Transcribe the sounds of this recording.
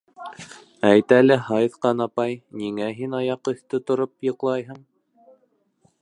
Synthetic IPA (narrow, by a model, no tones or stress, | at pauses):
æjt̪ælɘhɑjðqɑnɑpɑjniŋæɦinɑjɑqɤ̆θt̪ɤt̪ŏɾopjɤ̆qlˠɑjɦɤɴ